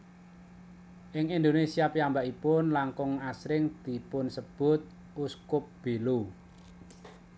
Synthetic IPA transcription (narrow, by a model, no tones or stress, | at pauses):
ʔɪŋind̪onesiapiambaʔipʊnlaŋkʊŋasɾɪŋd̪̥i̤pʊnsəb̥ʊ̤t̪̚ | ʔuskʊp̚b̥elu